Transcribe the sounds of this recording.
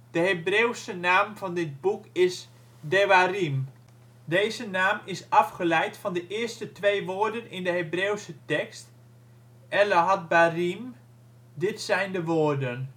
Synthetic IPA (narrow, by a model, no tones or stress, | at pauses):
d̥əɦebrewsənaːmvɔndɪt̚bukɪs | deʋarim | deːzənaːmɪsɑfχəlɛjtfɑndəʔɪːstətʋejʋoːrdənɪndəɦebreːwsətɛkst | ʔɛləɦat̚barim | dɪtsɛjndəʋoːrdən